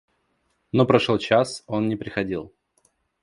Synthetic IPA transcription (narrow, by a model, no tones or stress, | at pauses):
nopɾɐʂolˠt͡ɕaso̞nːnʲɪpɾʲɪxɐdʲilˠ